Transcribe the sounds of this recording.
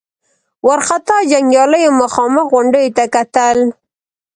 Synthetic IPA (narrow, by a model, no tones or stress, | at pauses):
waɾxat̪ɑd͡ʒaŋɡjɑləjomʊxɑməxɣʊɳɖəjot̪akat̪əl